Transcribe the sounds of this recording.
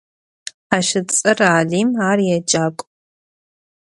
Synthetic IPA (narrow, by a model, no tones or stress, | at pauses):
aʃɨt͡sʼɐraːliːmaːrjɛd͡ʒaːkʷʼ